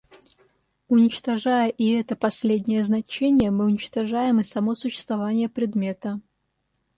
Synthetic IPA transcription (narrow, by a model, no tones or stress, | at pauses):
unʲɪt͡ɕt̪ɐʐajəʔiɛt̪əpɐsʲlʲed̪ʲnʲɪjəznɐt͡ɕenʲɪjəmɨʊnʲɪt͡ɕt̪ɐʐajɪmɨsɐmosʊɕːɪ̥st̪vɐvanʲɪjəpɾʲɪd̪mʲet̪ɐ